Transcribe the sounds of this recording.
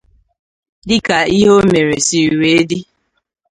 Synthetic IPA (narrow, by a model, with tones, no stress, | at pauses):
dɪ˦ka˨i˦ɦo˦me˨ɾe˨si˨we˨e˦di˦